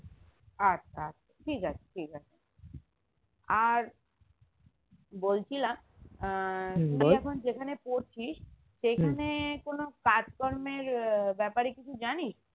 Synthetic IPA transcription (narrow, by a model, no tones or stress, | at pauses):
at͡ɕʰaat͡ɕʰaʈʰikat͡ɕʰe̥ʈʰikat͡ɕʰe | aɾ | bolt͡ɕʰila | miɛkʰond͡ʑekʰanepoɾt͡ɕʰiʃ | ʃekʰanekonokad͡ʑkɔɾmeɾbɛpaɾekit͡ɕʰud͡ʑaniʃ